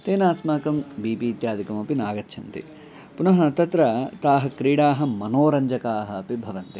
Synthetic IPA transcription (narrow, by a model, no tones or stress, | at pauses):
t̪eːnaːsmaːkɐmbiːpiːt̪jaːd̪ʱikɐmɐpinaːɡɐt̪ːʃʰɐnt̪ḭ | punɐɦɐt̪ɐt̪ɾɐt̪aːɦɐ̆kɾiːɽaːɦɐ̆mɐnoːɾɐɲd͡ʒɐkaːɦɐːpibʱɐʋɐnt̪i